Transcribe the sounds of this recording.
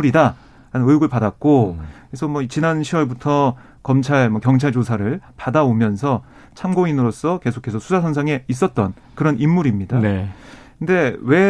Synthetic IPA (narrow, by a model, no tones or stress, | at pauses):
uɾida | ɾanɯnɯjɡɯɭpadak̚k͈o | esʰʌmwʌit͡ɕinanɕʰiwʌɭbutʰʌ | kʌmt͡ɕʰaɭmʌkjʌŋt͡ɕʰaɭd͡ʑosʰaɾɯɭpadaomjʌnsʰʌ | t͡ɕʰamɡoinɯɾos͈ʌke̞sʰo̥kʰe̞sʰʌsʰusʰasʰʌnsʰaŋe̞is̬͈ʌt̚t͈ʌn | kɯɾʌnimːuɾimɲida | kɯnde̞we̞